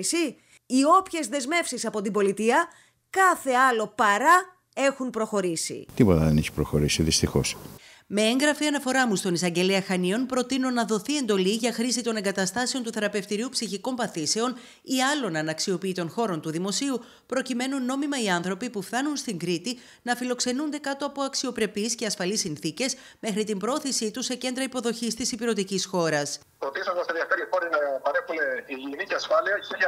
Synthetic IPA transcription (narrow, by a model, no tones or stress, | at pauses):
si | io̞pçe̞zðe̞zme̞fsisɐpo̞t̪imbo̞lit̪iɐ | kɐθe̞ɐlo̞pɐɾɐ | e̞xunpɾo̞xo̞ɾisḭt̪ipo̞t̪ɐðeneçi̥pɾoxo̞ɾisiðist̪ixo̞̰s | me̞eŋɡɾɐfiɐnɐfo̞ɾɐmust̪o̞nisɐɲɟe̞leɐxɐnio̞npɾo̞t̪inonɐðo̞θie̞nd̪o̞liʝɐxɾisit̪o̞ne̞ŋɡɐt̪ɐst̪ɐse̞o̞nt̪uθe̞ɾɐpe̞ft̪iɾiupsiçiko̞mpɐθise̞o̞n | iɐlo̞nɐnɐksio̞piːt̪o̞nxo̞ɾo̞nt̪uðimo̞siu | pɾo̞cime̞nunːo̞mimɐiɐnθɾo̞pipufθɐnunst̪iŋɡɾit̪i | nɐfilo̞kse̞nund̪e̞kɐt̪o̞ɐpo̞ɐksio̞pɾe̞pisce̞ɐsfɐlisinθice̞s | me̞xɾit̪imbɾooθisit̪use̞ce̞nd̪ɾɐipo̞ðo̞çist̪isipiɾo̞t̪icisxo̞ɾɐs | pɾoθisɐnɐsenðiɐfeɾixo̞ɾinɐpɐɾexuneiʝiniceɐsfɐliɐiɐ